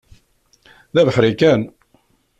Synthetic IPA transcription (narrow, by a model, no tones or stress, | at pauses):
ðævəħɾikæn